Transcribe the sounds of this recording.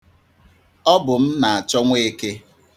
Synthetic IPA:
ɔ˦bʊ˨m̩˦na˨a˨t͡ʃɔ˦ŋʷe˦e˦ke˦

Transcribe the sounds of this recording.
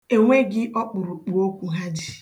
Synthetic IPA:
e˨ŋʷe˦ɡɪ˦ʔɔ˦k͡pʊ˨ɾʊ˨k͡pu˨o˦kʷu˨˦ɦa˦d͡ʒi˦

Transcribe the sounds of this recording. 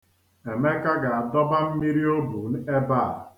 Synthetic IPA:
e˨me˦ka˦ɡa˨a˨dɔ˦ba˦m̩˦mi˦ɾi˦o˦bu˨n̩˦e˦ba˦˨

